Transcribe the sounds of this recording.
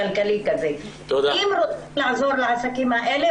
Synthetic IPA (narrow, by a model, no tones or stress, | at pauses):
ɐlkəlikɐzeːt̪oiːmɾot̪ | lãzoːɾlaːsɐkimãʔɛɦle